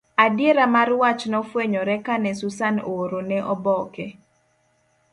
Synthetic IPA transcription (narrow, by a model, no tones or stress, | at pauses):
adjeɾamaɾwat͡ʃnɔfweɲɔɾɛkanɛsusanooɾonɛʔɔbɔkɛ